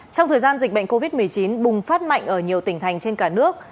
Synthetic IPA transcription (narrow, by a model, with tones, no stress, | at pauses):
t͡ɕɔ˧wŋ͡mt̪ʰəː˨˩jzaː˧nzï˨˩k̚ɓə̰˧˨ŋ̟ko˧vi˦˥t̚mɨ˨˩əjt͡ɕi˨˦nɓʊ˨˩ŋ͡mfaː˦˥t̚ma̰˧˨jŋ̟ʔəː˧˩ɲi˨˩əwt̪ï˧˩ŋ̟t̪ʰa˨˩jŋ̟t͡ɕe˧nkaː˧˩nɨ˦˥ək̚